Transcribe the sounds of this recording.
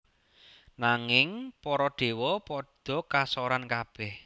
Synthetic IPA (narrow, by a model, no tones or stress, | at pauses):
naŋɪŋpɔɾɔɖ̪̥e̤wɔpɔd̪̥ɔ̤kasɔɾankab̥ɛh